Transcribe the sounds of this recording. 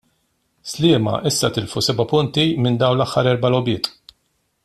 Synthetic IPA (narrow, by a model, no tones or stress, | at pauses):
slɪːmɐ̰ʔɪsːɐt̪ɪlfusɛbɐpʊnt̪imɪnd̪ɐwnlɐħːɐɾɛɾbɐlɔbɪːt̪ʼ